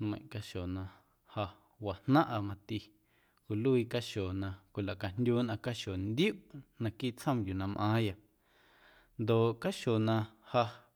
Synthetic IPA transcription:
mə̃˨ʔka˧ʃo˨nã˧ | ha˧ | wa˨hnã˦ʔa˧mã˧t̪i˧ | ku˨lu˦i˧ka˦ʃo˨nã˧kʷi˨la˨ʔka˨ndʲjuː˦nã˧ka˦ʃo˨nd̪ju˦ʔnã˧kiː˦ʔt͡shə̃˦mju˨nã˧mʔã̰ː˨˦ja˨ | nd̪o˨ʔka˦ʃo˨nã˧ha˧

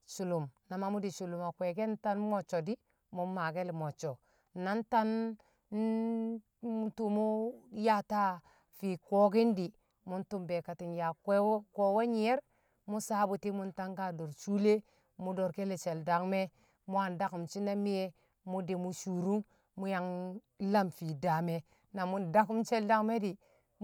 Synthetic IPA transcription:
ʃu˨lu˨mna˨ma˦mu˦di˨ʃu˨lu˨ma˨kwe˨ɡe˦n˦ta˦nmo˨t͡ʃːo˨di˦ | mu˦ma˨ɡe˦li˨mo˨t͡ʃo˨ | na˦nta˦n˦ | tu˨mu˦ja˦ta˦ | fi˨ko˦ɡi˦ndi˨ | mu˦ntu˨mbe˨ka˨ti˨nja˨kʷe˦wko˨we˦ɲi˨je˦ɾ | mu˦sa˦bu˨ti˦mu˦nta˦ŋɡa˨do˨ɾt͡ʃu˦le˦ | mu˦do˨ɾke˦le˨t͡ʃe˨lda˨kme˦ | mu˦a˨nda˦ku˨mt͡ʃi˦na˦mi˦je˦ | mu˦di˨mu˦ʃu˨ɾu˦ | mu˦ja˨ŋ | la˦mfi˨da˨me˨ | na˨mu˨nda˦ku˦mt͡ʃe˦lda˦ŋme˦di˨

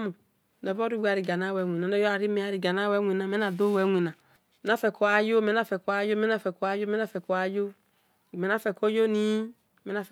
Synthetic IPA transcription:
mu˨ | nɛ˨vɔ˦ɾi˦wi˦a˨ɾi˨ɡa˨na˦wɛ˧˨ŋʷ˨i˨na˨nɛ˦jo˦a˨ɾi˦me˦a˨ɾi˨ɡa˨na˦wɛ˦ŋʷi˨na˨mɛ˦na˨do˦wɛ˨˦ŋʷi˨na˨ | me˨˦na˦fɛ˨ko˨˦a˨jo˦me˨˦na˦fɛ˨ko˨˦a˨˦jo˦mɛ˦a˦˨fɛ˨ko˨˦a˦jo˦mɛ˦na˦˨fɛ˨ko˨a˨jo˦˨ | me˨˦n˦a˦˨fɛ˨ko˦jo˦ni˦˨ | me˦a˦f

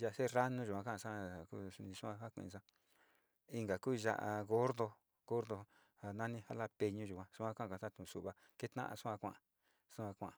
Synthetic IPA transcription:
ʒa˧˨˧se˦ra˦nũ˦˧ʒu˨ã˧kã˦˨˧sa˦˨ku˦u˧nĩ˧sũ˦ã˧ha˦kʷḭ̃˧˨˧s̬ã˧ | i˧ŋɡa˨kuː˦˧ʒa̰˧ʔa˧ɣo˦ɾðo˧ | ɡo˦ɾðo˧ | a˨nã˦nĩ˦ha˦la˦pe˧ɲũ˧ʒu˨kʷã˧sũ˦ã˦kã˦˧˨ã˨˧ã˦t̪ũ˨su˨βa˨ | ke˦t̪nã̰˦ʔã̰˧sũ˦ã˧kʷã̰˦˨ʔa˨˧ | sũ˦ã˧kʷã̰˨a˨

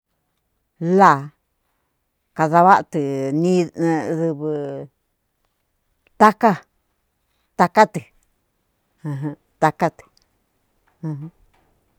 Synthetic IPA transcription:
la˨ | ka˧ða˧βa˦ʔt̪ɨ˨nĩ˦˧ðɨ˧βɨ˧ | t̪a˦ka˦ | t̪a˧ka˦t̪ɨ˨ | ɨ̃˧ɦɨ̃˧ | t̪a˧ka˦t̪ɨ̥˨˧ | ɦɨ̃˦

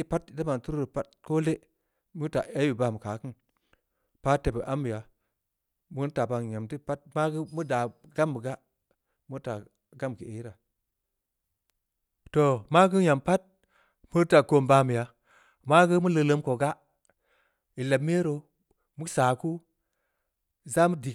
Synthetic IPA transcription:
i˦pa˦tda˦ma˨tu˦ɾɾo˨pa˦t̚ko˦le˦ | mu˦ta˨e˦wi˨ba˨mə˨ka˨˦ki˦n | pa˦te˨bə˨ʔa˦mːi˨ja˨ | mu˦n˦ta˨ba˨ɲa˨mti˦pa˦t̚ma˦ɡə˦mu˦da˨ɡa˦mbə˨ɡa˦ | mu˦ta˨ | ɡa˦m˨ki˨e˨˦ɾa˨ | to˨ma˦ɡə˦ja˨mpa˦t̚ | mu˦ta˨ko˨mba˦mi˨ja˨ | ma˦ɡə˦mu˦lə˧lə˦mko˨ɡa˦ | i˨la˨m˦e˦ɾo˨ | mu˦sa˨ku˦˨ | za˦mu˦di˨

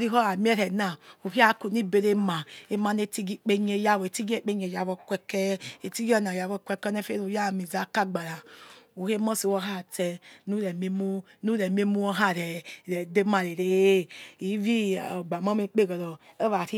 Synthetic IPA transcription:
ɾi˦ɦɔ˦a˨mi˦ɛ˦ɾɛ˨na˨u˨hi˦a˦ku˨ni˦˨be˨˦ɾe˦ma˨e˨ma˨˧ne˧ti˧ɡi˨˦k͡pe˧ɲe˧˦ja˦˨we˨ti˦ɡe˦˨k͡pe˦ɲe˨ja˨βɔ˧kʷɛ˧kɛ˦e˨ti˦ɡi˦ɔ˦na˨ja˨βɔ˧kʷɛ˧kɔ˦nɛ˦fe˦u˧˨ja˦˨mi˨za˨ka˦ɡ͡ba˨ɾa˨u˨he˦mɔ˦si˨wɔ˧˦ɦa˦˨tɛ˧nu˦ɾɛ˨me˦mu˦ | nu˦ɾɛ˨m˦e˦mu˦ɔ˦ɦa˦˨ɾɛ˨ɾɛ˨de˦ma˨ɾɛ˨ɾe˨˦i˨˦vi˦˨ɡ͡ba˨ma˦mi˧˦k͡pe˦˨ɡɔ˨ɾɔ˨ | ɛ˦a˨ɾi˦

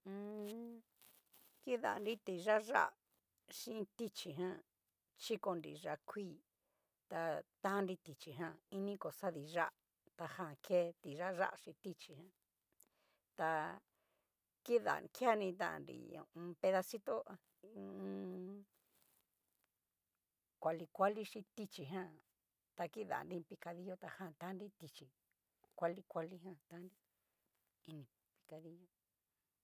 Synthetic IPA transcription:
ɨ̃˧ | ki˦ða̰˨˧nɾi˦t̪i˨ʒa˦ʒa̰˦˨ | ʂĩ˦˧t̪i˦t͡ʃi˧ɦã˦ | t͡ʃi˦ko˧nɾḭ˨ʐa˧kʰʷiː˦ | t̪a˧t̪ã˦˧nɾi˧t̪i˨t͡ʃi˨ɦã˦˧i˦nĩ˦ko˨sa˦ði˧ʐa˦ʔ | t̪a˧hã˧˨kʰe˦t̪i˨ʒa˦ʒa̰˦ʔʃĩ˧t̪i˦t͡ʃi˧ɦã˧˦ | t̪a˧ | ki˦ða̰˨ki˦a˦˧nĩ˧t̪ã̰˧˨nɾḭ˨ɲõ̰˨˧pe˧ða˧si˦t̪o˦ʔã˧ | kʷa˧li˧kʷa˦li˦ʂi˧t̪i˧t͡ʃi˨ɦã˦ | t̪a˧ki˦ða̰˨nɾi˦˧pi˧ka˧ði˧jo˦t̪a˧hã˧˨t̪a˦nɾi˦t̪i˧t͡ʃi˨ | kʷa˧li˧kʷa˧li˧ɦã˧t̪a˧˦nɾi˦ | i˧nĩ˧˨ | pi̥˧ka˧ði˧ɲo˦

